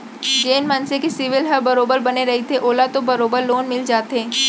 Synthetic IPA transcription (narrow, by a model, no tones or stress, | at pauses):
t͡ʃeːnmənsekesɪʋɪlɦɐbɐɾoːbəɾbɐneɾɐɦit̪ʰeʔoːlat̪obɐɾoːbəɾloːnmɪld͡ʒaːt̪ɦẽː